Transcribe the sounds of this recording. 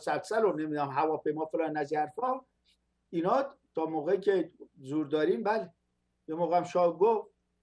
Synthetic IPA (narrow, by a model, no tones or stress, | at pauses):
sælsælonemiːd̪æmɦævɒːpʰejmɒːfelɑːnːæzæɾfɒ | inɒːt̪ʰɒːmoːɣecʲʰezuːɾd̪ɒːɾiːmbæle | jemoːɣæmʃɒːɡof